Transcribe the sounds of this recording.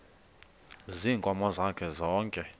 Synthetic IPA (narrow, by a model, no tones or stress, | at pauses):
ziːŋkʼɔmɔzakʰɛzɔːŋkʼɛ